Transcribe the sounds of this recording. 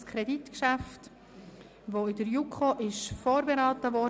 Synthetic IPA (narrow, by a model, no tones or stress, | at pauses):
skʰɾɛditkʃaft | voɪdəɾjukχoʔɪʃfoːɾbeɾaːtəvɔ